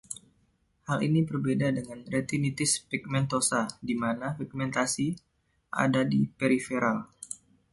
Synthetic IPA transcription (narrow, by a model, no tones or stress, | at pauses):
halḭnibərbedadəŋanret̪init̪ɪspik̚mɛnt̪osadimanafik̚mɛnt̪asi | ʔa̰dadipeɾifeɾal